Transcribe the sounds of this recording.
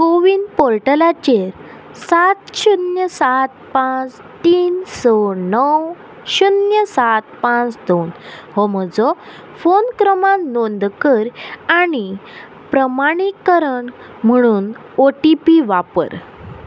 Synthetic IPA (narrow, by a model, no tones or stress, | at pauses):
koʋinpɔɾʈəlat͡ɕeɾ | sat̪ɕunjəsat̪̚pãt͡s | t̪iːnsɔnəw | ɕunjəsat̪pãt͡sd̪onɦɔməd͡zɔ | fonkɾəmãnnond̪kəɾañi | pɾəmaɽ̃ikəɾəɳ | m̤əɽ̃uːn | oʈipiʋapə̰ɾ